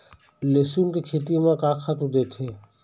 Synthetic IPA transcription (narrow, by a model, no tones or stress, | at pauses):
leːsuːnkekʰeːt̪imãkãːkʰat̪ũd̪eːt̪ʰeː